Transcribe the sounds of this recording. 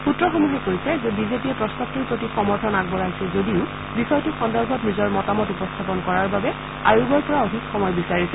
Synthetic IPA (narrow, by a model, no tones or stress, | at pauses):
putɹɔxomuɦɛkojsɛzɛbizepiɛpɹɔstap̚tuɹpɹotixɔmɔɹtʰɔnaɡ̚bɔɹaɦjsɛzodiʊ | bixɔjɔtʊxɔndɔɹbʱɔtnizɔɹmɔtamɔtupɔstʰapɔnkɔɹaɹbabɛ | ajuɡɔɹpɔɹaoɦikxɔmɔjbisaɹisɛ